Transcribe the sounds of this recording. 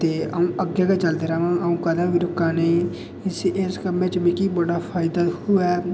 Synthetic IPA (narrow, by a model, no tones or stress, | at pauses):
t̪eːəũːʔəɡjaːkeːt͡ʃəld̪eːɾaːʋãːəũːkəd̪ãːbiːɾʊkːaːneː | ɪsɪskəmẽːt͡ʃbĩːkiːbəɽaːpʰaːɪd̪aːhʊɛː